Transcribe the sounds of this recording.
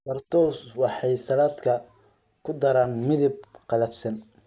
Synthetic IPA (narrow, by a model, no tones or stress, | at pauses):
bɐrt̪ʰɔːswɑħɑjsɐlaːd̪kʰɐ | kʰʊd̪ɐɾaːnmɪðɪb̚qɑlɐbsɐn